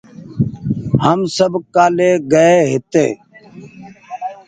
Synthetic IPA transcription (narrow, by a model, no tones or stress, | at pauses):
həmsəbkaːleːɡəeːɦɪt̪ḛː